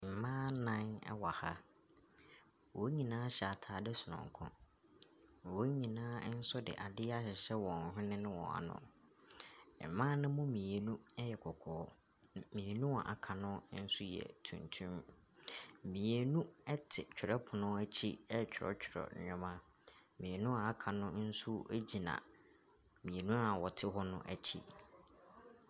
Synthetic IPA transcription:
m̩˨mãː˦nã˦nɛ̰˦wa˨ha˦ | wo˨˦ɲĩ˨nãː˦ɕɛ˨a˨tʰaː˨dɪ˦sʊ˨nʊ̰̃˨ŋ˨kʰʊ̰̃˦˨ | wo˦ɲĩ˨nãː˦n̩˦sʊ˦dɪ̰˨ʔa˨dɪ˦a˦ɕɪ˨ɕɛ˦wɔ̃˨n̩˨ɦᶣʊ̃˦nɪ̃˦nɪ̃˦wɔ̰̃˨a̰˨nʊ̰̃˦˨ | mãː˦nɪ̃˦mʊ̃˦mĩ˨e˨nũ˦ɛ˦jɛ˨kʰɔ˨kʰɔː˨˦ | mĩ˨e˨nũ˦a̰˨ʔa˨kʰa˨nʊ̃˦n̩˦sʊ˦jɛ̰˨tʰṵ̃˨ntʰũ˦m | mĩ˨e˨nũ˦ɛ˦tʰɪ˨t͡ɕʰᶣɪ˨ɾɛ˦pʰʊ˨nʊ̃˦æ˦t͡ɕʰi˦ɛ˦t͡ɕᶣʰɔ̰˦t͡ɕᶣʰɪ˨ɾɔ̰˨ɲʊ̃˦mã˦ | mĩ˨e˨nũ˦a˨a˨kʰa˨nʊ̃˦n̩˦su˦e˦d͡ʑi˨nã̰˨ | mĩ˨e˨nũ˦a˨wɔ˨tʰɪ˦ɦɔ˦nʊ̰̃˦ʔæ˨t͡ɕʰḭ˦

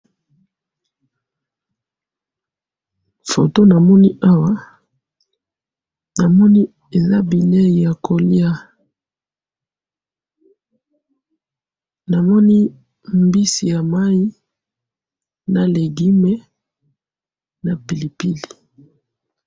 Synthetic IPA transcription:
fo˨to˦na˨mɔ˦ni˦ʔa˦wa˦ | na˨mɔ˦ni˦ | e˨za˦bi˨ne˦i˨ja˨kʰo˨li˦a˦ | na˨mɔ˦ni˦ | mbi˦si˨ja˨ma˦i˦ | na˨le˨ɡi˦me˦ | na˨pi˨li˨pi˦li˨

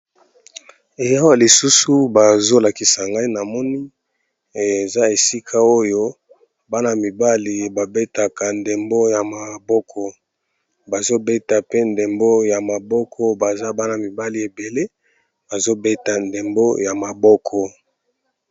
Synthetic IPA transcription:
e˨ja˦wa˦˨li˨su˦su˦ba˨zo˦la˨ki˨sa˨ŋɡa˦i˦na˨mɔ˦ni˦ | e˨za˦e˨si˦kʰa˦o˦jo˦ | ba˦na˨mi˨ba˦li˨ba˨be˦ta˨ka˨nde˨mbo˦ja˨ma˨bɔ˦kʰɔ˦ | ba˨zo˦be˦ta˨pe˦nde˨mbo˦ja˨ma˨bɔ˦kʰɔ˦ba˨za˦ba˦na˨mi˨ba˦li˨e˨be˨le˦ | ba˨zo˦be˦ta˨nde˨mbo˦ja˨ma˨bɔ˦kʰɔ˨

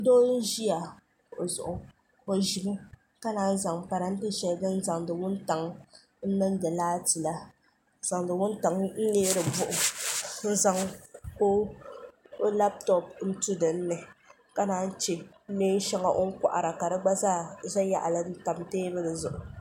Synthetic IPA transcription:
doː˦n̩˦ʒi˦a˨ | ʔzʊ̰˨ʔʊ˨ | ko˨ʒi˨b | ka˦naː˨˦n˦za˨ŋpa˨ɾa˨n̩˦te˦ʃɛ˦ldɨ˦n˦za˨ŋdɨ˨wʊ˦n˦ta˨ŋ | n̩˦nɨ˦n˦dɨ˨laː˦ti˨la˦ | za˨ŋdɨ˨wʊ˦n˦ta˨ŋn̩˦leː˦ɾɨ˨bʊ˦ʔʊ˨n̩˦za˨ŋko˦ | la˦p̚tɔ˨p̚n̩˦tu˦dɨ˨n̩ː˦ɨ˨ | ka˦naː˦n̩˦t͡ʃe˨˦ | neː˦n˦ʃa˦ŋa˨ʔo˦ŋ̩˦kʷa̰˨ʔa̰˨ɾa˨ka˨dɨ˦ɡ͡ba˦zaː˦˨za˦ja̰˨ʔa̰˨lɨ˦n̩˦ta˨mteː˦bɨ˦lɨ˨zʊ˨ʔʊ˨

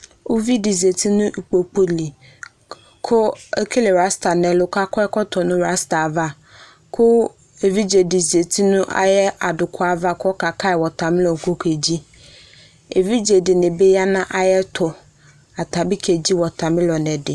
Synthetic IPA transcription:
o˦vi˦di˨ze˨tʰi˦nʊ̃˦ʔi˨k͡po˨k͡po˦li˨ | kʰʊ˦e˦kʰe˦le˨ɾa˦sta˨nɛ˨lʊ˨ka˦kɔ˦ɛ˦kɔ˦tʰɔ˨nʊ̃˦ɾa˦sta˨va˦ | kʰʊ˦ | e˨vi˦d͡ʒe˨di˨ze˨tʰi˦nʊ̃˦ʔa̰˦jɛ˦a˨dʊ˨kʰʊ˦a˦va˦kʰɔ˦ka˨kʰa˦ɪ˨wɔ˨tʰa˨mɪ̃˦lɔ˨ŋ˨ko˦kʰe˨d͡ʑi˦ | e˨vi˦d͡ʒe˨dɪ˨nɪ̃˨be˦ja˦nã˦ʔa˦jɛ˦tʰʊ˨ | a˨ta˨bi˦kʰe˨d͡ʑi˦wɔ˨tʰa˨mɪ̃˦lɔ˨nɛ̃˨dɪ˨

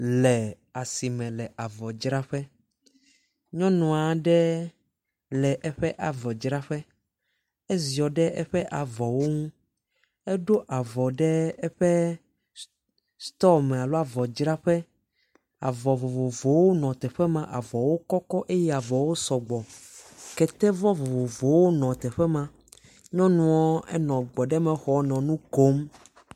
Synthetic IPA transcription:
lɛ˨ | a˨si˨mɛ̃˨lɛ˨ʔa˨vɔ˨d͡ʒɾa˦ɸɛ˦ | ɲɔ̃˦nɔ̃˨a˨ɖɛ˦ | lɛ˨ʔɛ˦ɸɛ˦ʔa˨vɔ˨d͡ʒɾa˦ɸɛ˦ | e˦zi˨ɔ˨ɖɛ˦ʔɛ˦ɸɛ˦ʔa˨vɔ˨wo˦ŋũ˦ | ɛ˦ɖo˦ʔa˨vɔ˨ɖɛ˦ɛ˦ɸɛ˦ | st̪ɔ˦mɛ˨a˨lo˦a˨vɔ˨d͡ʒɾa˦ɸɛ˦ | a̰˨vɔ˨vo˨vo˨vo˨wo˦nɔ̃˨t̪ɛ˨ɸɛ˦mã˦ʔa˨vɔ˨wo˦kɔ˦kɔ˦ʔe˦jɛ˦˨a˨vɔ˨wo˦sɔ˨ɡ͡bɔ˨kɛ˨t̪ɛ˦vɔ˦vo˨vo˨vo˨wo˦nɔ̃˨t̪ɛ˨ɸɛ˦mã˦ | ɲɔ̃˦nũ˦ɔ˦ɛ̰˦nɔ̃˨ɡ͡bɔ˨ɖɛ˦mɛ̃˨xɔ˨nɔ̃˨nũ˦ko˦m

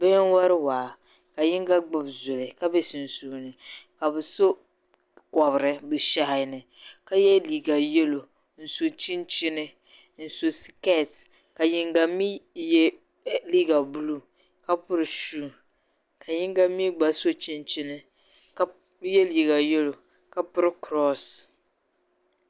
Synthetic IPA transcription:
bɛ˦n˦wa˦ɾɪ˦waː˨ | ka˨jɪ˦ŋɡa˦ɡ͡bɨ˨bzʊ˨lɨ˨ka˦bɛ˦sɪ˨n̩˨suː˦˨nɨ˨ka˨bɨ˨so˦ | kɔ˨bɾɨ˦bɨ˨ʃa˦ɦɪ˦nɨ˨ | ka˦jɛ˦liː˨ɡa˨jɛ˦lo˨ | n̩˨so˨t͡ʃi˦nt͡ʃɪ˦nɨ˦ | n̩˨so˨si˨kɛ˦˨t | ka˨jɪ˦˨ŋɡa˨mi˦jɛ˦ | li˦ɡa˨bu˦lu˦ | ka˦pʊ˦ɾɨ˨ʃuː˦˨ | kʰa˨jɪ˦ŋɡa˦mi˦ɡ͡ba˨so˦t͡ʃi˦nt͡ʃɪ˦nɪ˦ | ka˦ | jɛ˦liː˨ɡa˨je˦lo˨ | ka˨pʊ˦ɾɨ˦kɾɔ˦s

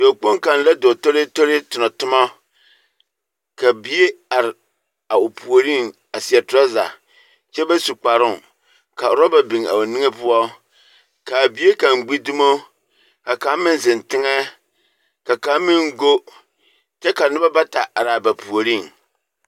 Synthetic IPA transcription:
do˨k͡po˦ŋka˨n˨la˦do˨to˦ɾɪ˦to˦ɾɪ˦tʊ˨nɔ˨tʊ˦ma˦ | ka˨bi˦e˦a˨ɾɪ˨ | a˨ʊ˨pu˨o˨ɾi˦˨ŋ | a˨sɪ˨ɛ˨tʊ˦ɔ˦za̰˨ | t͡ʃɛ˦ba˦su˨k͡pa˨ɾʊ˦˨ | ka˨ɾɔ˦ba˨bi˨ŋ˨a̰˨o˨ni˦ŋe˦pʊ˦ɔ˦ | ka˨bi˦e˦ka˨ŋ˨ɡ͡bi˦du˦mo˦ | ka˨ka˨˦mɪ˦n˦zɪ˨ntɪ˦ŋɛ˦ | ka˨ka˨˦mɪ˦ŋ˦ɡo˦ | t͡ʃɛ˦ka˨nɨ˦ba˦ba˦ta̰˨ʔa˨ɾɪ˨a˨ba˨pu˨o˨ɾi˦˨ŋ

